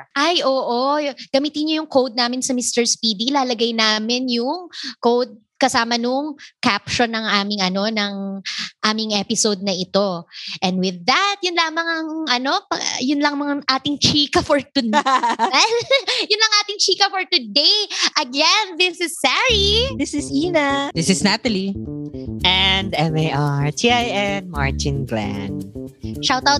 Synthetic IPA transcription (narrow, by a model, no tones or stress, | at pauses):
ʔajʔoːʔoɡ̥ɐmiːt̪ɪnɲojʊŋkowd̪̚naːmɪnsɐmist̪ɛɹspiːd̪iːlaːlɐɡɐjnaːmɪnjʊŋkowd̪̚ | kɐsaːmɐnʊŋkapʃonːɐŋaːmɪŋɐno̞nɐŋʔaːmɪŋʔɛpɪsowd̪̚nɐʔɪt̪o̞ʔɛnd̪wɪðːɐt̪̚jʊnlaːmɐŋɐŋʔɐno̞pɐjʊnlɐŋmɐŋʔaːt̪ɪŋt͡ʃiːkɐfɔɹt̪ʊ | ɛljʊnlɐŋʔaːt̪ɪŋt͡ʃiːkɐfɔɹt̪ʊd̪ejʔɐɡɛnðɪsɪsːɛɹiðɪsɪsinɐðɪsɪsnat̪ɐli | ʔɛnd̪ɛmejʔaɹtiːʔajʔɛnma̰ɹt͡ʃɪ̃nɡlæ̰nʃawt̪awt̪̚